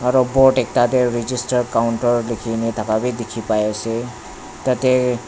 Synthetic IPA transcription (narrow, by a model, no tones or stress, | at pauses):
ɔɾɔboʈek̚t̪at̪eɾid͡ʒisʈəɾkawuɳʈɔɾlikʰinet̪ʰakabid̪ikʰipajese | t̪ʌt̪e